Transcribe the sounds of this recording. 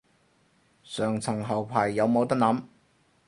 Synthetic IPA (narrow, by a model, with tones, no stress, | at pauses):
sœː˨˩ŋt͡sʰɐ˨˩ŋɦɐ˨˩wpʰaː˨˩jːɐ˨˧wmo˨˧wt̪ɐ˥k̚nɐː˨˥m